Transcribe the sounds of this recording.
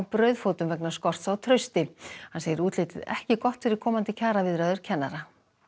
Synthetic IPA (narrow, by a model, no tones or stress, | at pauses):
pɾœɥðfoːwt̪ʏmvɛknḁskɔr̥t̪sawt̪ʰɾœɥst̪ɪhanseːjɪɾuːt̪lɪːt̪ɪðɛ̰hcɪkɔht̪fɪɾɪɾ̥kʰɔːmant̪ɪcʰaːɾavɪðɾaːðʏɾ̥cʰɛnːaɾa